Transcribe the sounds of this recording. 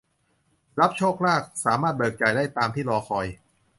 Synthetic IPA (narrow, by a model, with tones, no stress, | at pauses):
ɾa˦˥p̚t͡ɕʰoː˥˩k̚ɾaː˥˩k̚saː˩˦maː˥˩t̪̚bɤː˨˩k̚t͡ɕa˨˩jdaː˥˩jt̪aː˧mt̪ʰiː˥˩lɔː˧xʰɔ˧j